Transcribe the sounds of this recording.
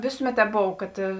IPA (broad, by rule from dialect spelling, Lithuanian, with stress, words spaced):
ˈʋʲeːsʊˌmʲɛt ˈtʲɛːp ˈboːw ˈkɐt